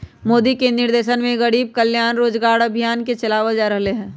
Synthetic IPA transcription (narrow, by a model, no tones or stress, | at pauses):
moːd̪ikenɪɾd̪eːʃənmẽɣɐɽiːb̚kɐljaːnɾoːd͡ʒɡaːɾɐbʱijaːnket͡ʃɐlaːʋad͡ʒaːɾɐɦleɦɛ̃ː